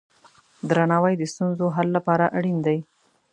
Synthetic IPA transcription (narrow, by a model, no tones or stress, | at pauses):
d̪ɾanɑwajd̪əst̪unzoɦalːapɑɾaʔaɽind̪aj